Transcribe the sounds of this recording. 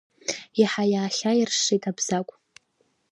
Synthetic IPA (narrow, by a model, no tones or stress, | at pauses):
iħajaːχʲairʂitʼabz̥akʷʼ